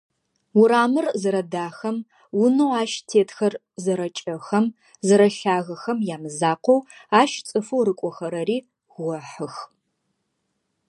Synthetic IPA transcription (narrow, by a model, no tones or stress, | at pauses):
ʊɾaːmɨrzɨɾɐdaːxɐm | wʊnɐwaːʃtʰeːtʰxɐr | zɨɾɐt͡ʃʼɐxɐm | zɨɾɐɬaːɣɐxɐmjaːmɨzaːqʷɔwaːʃt͡sʼɨfowɾɨkʷʼɔxɐɾɐɾiː | ɔħɨx